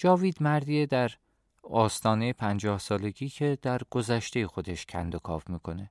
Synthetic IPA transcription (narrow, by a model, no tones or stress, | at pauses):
d͡ʒɒːviːd̪mæɾd̪iːed̪æɾ | ɒːst̪ʰɒːnejepʰænd͡ʒɒːhsɒːle̞ɟiːcʰe̞d̪̥æɾɡ̥o̞zæʃt̪ejexo̞d̪e̞ʃcʰæ̰nd̪okʰɒ̰ːfmiːkʰo̞ne̞